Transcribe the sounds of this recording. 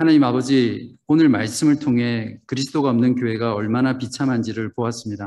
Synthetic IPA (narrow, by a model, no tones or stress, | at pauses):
hanaɲimabʌd͡ʑi | onɯɭmaɭs͈ɯmɯɭtʰoŋɦe̞kɯɾisʰɯ̥d͈ʰoɡaʌmnɯnkjoɦe̞ɡaʌɭmanapit͡ɕʰamɦand͡ʑiɾɯɭpoas͈ɯmɲida